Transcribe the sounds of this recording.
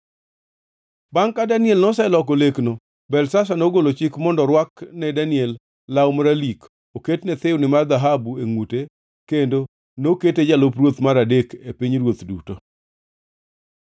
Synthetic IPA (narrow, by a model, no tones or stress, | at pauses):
baŋkadanɪɛlnɔsɛlɔkolekno | bɛlsas̬anoɡolot͡ʃɪkmɔndɔɾwaknɛdanɪɛlː | awmɾalik | oketnɛt̪ɪwnɪmard̪aɦabueŋute | kendo | noketed͡ʒalopɾwot̪maɾadekepiɲɾwot̪duto